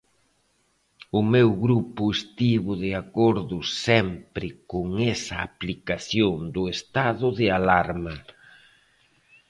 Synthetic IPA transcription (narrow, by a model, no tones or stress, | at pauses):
ʊmewɣɾupʊest̪iβʊðɪakɔɾðʊssɛmpɾɪkʊŋɛsɐːplikaθjoŋd̪ʊest̪aðʊðɪalaɾmɐ